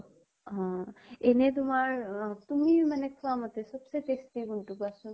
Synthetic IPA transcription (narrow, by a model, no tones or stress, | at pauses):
ɦɔ̃enet̪̬umaɹt̪umimanɛkʰɔamɔt̪esɔbsepestiɡunʈubasɔn